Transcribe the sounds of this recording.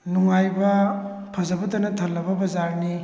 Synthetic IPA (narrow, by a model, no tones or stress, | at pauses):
nuŋajbɐ | pʰɐzɐbɐdɐnɐtʰɐlːɐbɐbɐzaɾni